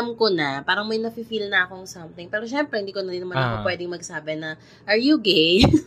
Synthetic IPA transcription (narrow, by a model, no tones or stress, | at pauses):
mkonɐpaːɾɐŋmɐjnɐfifilnɐʔɐkoɐŋsɐmt̪ɪŋpɛːɾoʃɛmpɾɛhɪnd̪iːkonɐd̪inɐmannʔɐ̰kopwɛːd̪ɪŋmɐɡsaːbɛnɐ | ʔɐɹjuɡej